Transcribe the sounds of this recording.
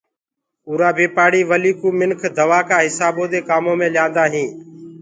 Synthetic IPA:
uːɾaːbʱiːpaːɽiːʋəliːkuːmɪnkʰd̪əʋaːkaːɦɪsaːbõːd̪eːkaːmõːmẽːlãːnd̪aːɦĩː

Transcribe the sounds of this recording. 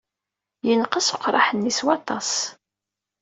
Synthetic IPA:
jənqəsʊqːɾˤɑħənːiswɑt̪ˤɑs

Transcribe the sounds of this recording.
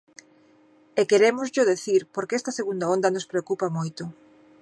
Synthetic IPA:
ekeɾemʊzʎʊðeθiɾpoɾkeɛst̪ɐseɣund̪aond̪ɐnospɾeokupamojt̪ʊ

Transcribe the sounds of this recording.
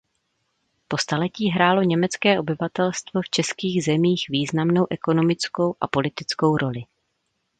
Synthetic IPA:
po̞st̪alɛciːɦɾaːlo̞ɲɛmɛt͡skɛːʔo̞bɪvat̪ɛlst̪vo̞ft͡ʃɛskiːɣzɛmiːxviːznamno̞wʔɛko̞no̞mɪt͡sko̞wʔa̰po̞lɪt̪ɪt͡sko̞wɾʔo̞lɪ

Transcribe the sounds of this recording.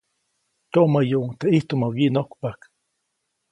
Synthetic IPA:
t̪oʔmajoʔŋt̪aʔiht̪omawinokpak

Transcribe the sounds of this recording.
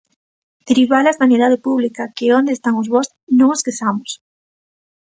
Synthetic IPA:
d̪̥eɾiβalazðanjeðaðɪpuβlikakɪond̪est̪aŋʊzβɔs | nõŋoskesamʊs

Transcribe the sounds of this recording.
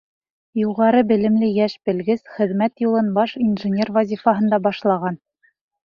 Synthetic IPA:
juʁɑɾɤbɘ̆lɘ̆mlɘjæʃbɘ̆lɡɘzχɘ̆ðmæt̪julˠɤnbɑʃinʒɘ̆nʲervɑzʲifɑɦɤ̆nd̪ɑbɑʃlˠɑʁɑn

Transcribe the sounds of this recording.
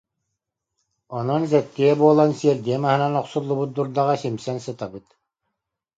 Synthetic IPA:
ɔnɔnzɛt̪ːiɛbuɔlˠansiɛɾd̪iɛmaɦɯnanɔqsulˠːubut̪̚d̪uɾd̪aʁasimsɛnsɯt̪abɯt̪

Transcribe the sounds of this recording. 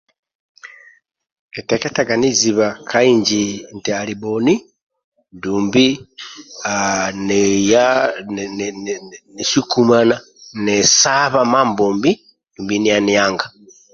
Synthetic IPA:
keteketaɡaniziβakʰaiːɲd͡ʒintialiboni | nduːmbi | anija | niʃikumana | nesaβamaːmboːmbi | nduːmbinijanijaːŋɡa

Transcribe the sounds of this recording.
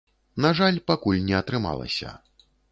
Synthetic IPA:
naʐalʲpakulʲnʲɛɐt̪ɾɨma̰lˠɐ̰sʲɐ̰

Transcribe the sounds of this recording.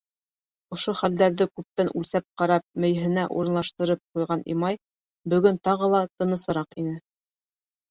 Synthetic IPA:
ŏʃoχæld̪æɾðɘkʉp̚t̪ænʔʉlsæp̚qɑɾɑp̚mɘ̆jɦɘ̆næʔṵɾɤ̆nlˠɑʃt̪ɤ̆ɾɤp̚qujʁɑnʔḭmɑj | bɵ̆ɡɵnt̪ɑʁɤlˠɑt̪ɤ̆nɤ̆sɤ̆ɾɑqinɘ

